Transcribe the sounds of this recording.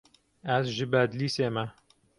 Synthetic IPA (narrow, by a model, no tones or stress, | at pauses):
æsʒɨbæd̪liːseːmæ